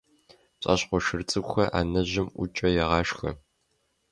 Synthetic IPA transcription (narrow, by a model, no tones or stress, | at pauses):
ɕʼa̰ɕqʷɔʃɨrt͡sʼɨkʷʼxɐʔa̰ːnɐʑɪmʔʷʊ̰t͡ʃʼɐjɛʁɑːʃxɐ̰